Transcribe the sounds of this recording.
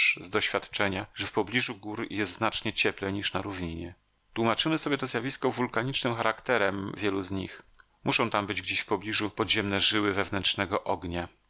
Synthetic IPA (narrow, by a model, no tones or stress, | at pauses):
zd̪ɔɕfʲjat̪t͡ʂɛɲaʐɛfpɔblʲiʐuɡuɾjɛst̪znat͡ʂɲɛt͡ɕɛplɛɲiʂnaɾuvɲiɲɛ̰ | t̪wumat͡ʂɘmɘsɔbʲjɛt̪ɔzjavʲiskɔvulkaɲit͡ʂnɘmxaɾakt̪ɛɾɛmvʲjɛluzɲḭx | muʂɔ̃w̃t̪ambɘd͡ʑɡd͡ʑeɕfpɔblʲiʐupɔd̪ʑɛmnɛʐɘwɘvɛvnɛntʂnɛɡɔʔɔɡɲa